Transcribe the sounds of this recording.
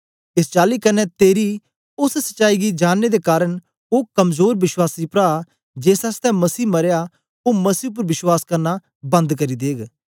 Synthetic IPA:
ɪst͡ʃaːlikɐnɛt̪eːɾi | ʊssɐ̥ʃaːiɡid͡ʒaːnːed̪ekaːɾəɽ̃ | oːkɐmzoːɾʋɪswaːsipɾa | d͡ʒeːsɐst̪ʰɛ̃mɐsiːmɐɾja | omɐsiːp̬ʊɾʋɪswaːskɐɾna | bɐ̃nd̪kɐɾid̪eːɡ

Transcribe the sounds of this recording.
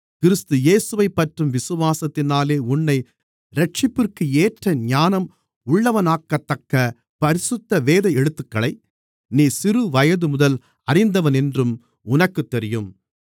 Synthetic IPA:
kɪɾɯst̪ɯjeːsɯʋɐɪpːɐʈrɯmʋɪsɯʋaːsɐt̪ːɪnaːleːʊnːɐɪ | ɾɛʈ̚t͡ʃɪpːɪrkɯeːʈrɐɲaːnɐm | ʊɭːɐʋɐnaːkːɐt̪ːɐkːɐ | pɐɾɪsɯt̪ːɐʋeːðɐjɛɽɯt̪ːɯkːɐɭɐɪ | niːsɪɾɯʋɐjɐðɯmʊðɐl | ɐrɪnd̪ɐʋɐnɛndrɯm | ʊnɐkːɯt̪ːɛɾɪjɯm

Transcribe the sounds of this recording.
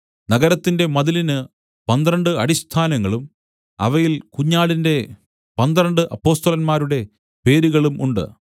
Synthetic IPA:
nɐɣɐɾɐt̪ːinde̞mɐðilinɨ | pɐnd̪ɾɐɳɖɨɐɽist̪ʰaːnɐŋːɐɭum | ɐ̰ʋɐjilkuɲːaːɭinde̞ | pɐnd̪ɾɐɳɖɨʔɐpːo̞ːst̪ɐlɐnmaːɾuɽe̞ | pe̞ːɾuɣɐɭumuɳɖɨ̰

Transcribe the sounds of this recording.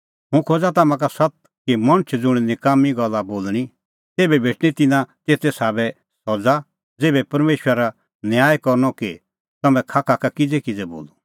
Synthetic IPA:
ɦũkʰoːd͡zat̪ɐmãk̬asɐt̪̚ | kimɐɽ̃t͡ʃʰd͡zʊɽ̃nɪkaːmiɡɔlːaboːlɽ̃i | t̪eːbɛbʱeːʈɽ̃it̪ɪnãt̪eːt̪ɛsaːbɛ | sɔd͡za | d͡zeːbɛpɐɾmeːʃəɾa | njaːjkɔɾñɔki | t̪ɐmɛ̃kʰaːkʰakakɪd͡zɛkɪd͡zɛbo̰ːlu

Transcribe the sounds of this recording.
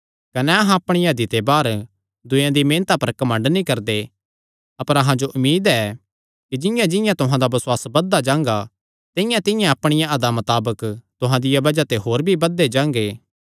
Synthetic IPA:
kɐnɛɐɦãɐpɽ̃ijãd̪it̪ebaːɾ | d̪ʊ̃jãd̪imẽːnt̪apɐɾkɐmə̃ɳɖnĩkɐɾd̪e | ɐpəɾɐɦãd͡ʒoʔʊmːiːd̪ɛː | kid͡ʒɪ̃jãd͡ʒɪ̃jãt̪ʊɦãd̪abɐswaːsbɐd̪ːad͡ʒãːŋɡa | t̪ɪjãt̪ɪjãɐpɽ̃ɪjãɐd̪amɐt̪aːbəkt̪ʊɦãd̪ɪjabɐd͡ʒat̪eɦoːɾbʱibɐd̪ːed͡ʒãːŋɡeː

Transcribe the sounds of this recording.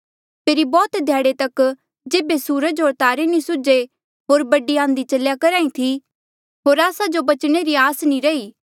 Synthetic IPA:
pʰeːɾibɔːt̪d̪ʱjaːɽet̪ɐk | d͡ʒeːbesuːɾəd͡ʒɦoːɾt̪aːɾenĩsʊd͡ʒe | ɦoːɾbɐɖiãːnd̪it͡ʃɐljakɐɾãːĩt̪ʰi | ɦoːɾaːsad͡ʒobɐt͡ʃɽ̃eɾiaːsnĩɾɐiː

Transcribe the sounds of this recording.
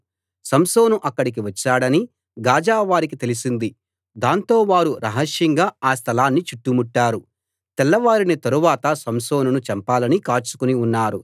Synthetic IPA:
sɐmsoːnuʔɐkːɐɽik̬iʋɐt͡ʃːaːɽɐni | ɡaːd͡ʒaːʋaːɾik̬it̪e̞lisind̪i | d̪aːnt̪o̞ːʋaːɾuɾɐɦɐʂjɐŋɡaːaːst̪ʰɐlaːnːit͡ʃuʈːumuʈːaːɾu | t̪ɛlːɐʋaːɾinit̪ɐɾuʋaːt̪ɐsɐmsoːnunut͡ʃɐmpaːlɐnikaːt͡ʃu̥kuniunːaːɾu

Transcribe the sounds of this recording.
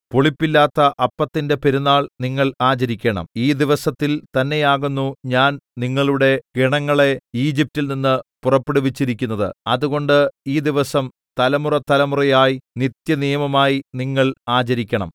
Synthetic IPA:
poɭipːilːaːt̪ːɐʔɐpːɐt̪ːinde̞pe̞ɾunːaːɭniŋːɐɭaːt͡ɕɐɾikʲːɐɳɐ̰miːd̪iʋɐsɐt̪ːilt̪ɐnːe̞jaːɣunːuɲaːnniŋːɐɭuɽe̞ɡiɳɐŋːɐɭe̞iːd͡ʑip̚tilninːɨpurɐpːeɽuʋit͡ɕːiɾikʲːunːɐðɨ̰ɐðuɣo̞ɳɖɨiːd̪iʋɐsɐm | t̪ɐlɐmurɐt̪ːɐlɐmurɐjaːjinit̪jɐnijɐmɐmaːjiniŋːɐɭaːt͡ɕɐɾikʲːɐɳɐ̰m

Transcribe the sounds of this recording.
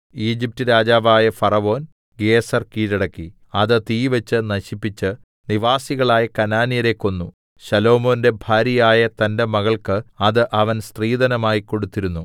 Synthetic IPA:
iːd͡ʑip̚tɨɾaːd͡ʑaːʋaːjɐfɐrɐʋo̞ːn | ɡeːsɐrkiːɾɐɽɐkːi | ɐðɨt̪iːʋɐt͡ɕːɨnɐɕipːit͡ɕːɨ | niʋaːsiɣɐɭaːjɐkɐnaːnijɐɾe̞ːkːo̞nːu | ɕɐlo̞ːmo̞ːnde̞bʱaːɾjɐjaːjɐt̪ɐnde̞mɐɣɐɭkɨɐðɨʔɐʋɐnsriːd̪ɐnɐmaːjikːo̞ɽut̪ːiɾunːu

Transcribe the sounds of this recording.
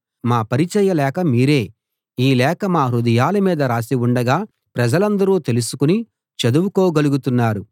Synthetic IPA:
maːpɐɾit͡ʃɐjɐlɛːkɐmiːɾe̞ː | iːlɛːkɐmaːɾud̪ɐjaːlɐmiːd̪ɐɾaːsiuɳɖɐɡaː | pɾɐd͡ʒɐlɐnd̪ɐɾuːt̪elusu̥kuni | t͡ʃɐd̪uwuko̞ːɡɐluɡut̪unːaːɾu

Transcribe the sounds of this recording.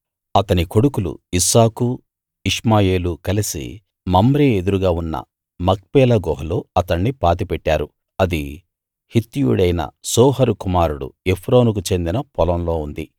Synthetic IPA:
ɐt̪ɐniko̞ɽukulṵisaːku | iʂmaːje̞ːlukɐlisḭ | mɐmbɾeːed̪uɾuɡaːunːɐ̰ | mɐk̚pɛːlɐɡɔːɦɐloːɐt̪ɐɳːipaːt̪̬ipɛʈːaːɾu | ɐd̪i | hit̪ːijṵɽɐjnɐ̰sɔːɦɐɾukumaːɾuɽṵe̞pʰɾo̞ːnuk̬ut͡ʃe̞nd̪inɐpɔlɐmlo̞ːund̪i

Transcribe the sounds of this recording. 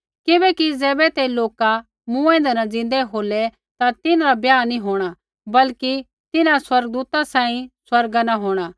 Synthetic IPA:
kɪbɛkid͡zɛːbɛt̪eloːka | mũɛ̃ːnd̪ɛnɐd͡zɪ̃nd̪ɛɦoːlɛ | t̪at̪ɪnaɾabjaːnĩɦoːɽ̃a | bɐlki | t̪ɪnãswɐɾɡ̚d̪uːt̪asãːĩswɐɾɡanaɦoːɽ̃aː

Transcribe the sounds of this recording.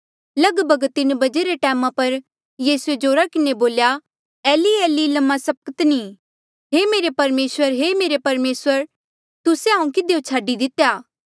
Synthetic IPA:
lɐɡbʱɐɡt̪ɪnbɐd͡ʒeɾeʈɛːmãpɐɾ | jiːsued͡ʒoːɾakɪneboːlja | ɛːliɛːlilɐmːasɐp̚kət̪niː | ɦeːmeːɾepɐɾmeːswəɾɦemeːɾepɐɾmeːswəɾ | t̪ʊseɦãũkɪd̪ejot͡ʃʰaːɖid̪ɪt̪jaː

